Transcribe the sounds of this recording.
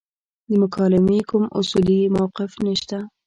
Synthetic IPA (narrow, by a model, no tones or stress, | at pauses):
d̪əmʊkʰɑlɪmekʊmʔʊsulimawqɪfnəʃt̪a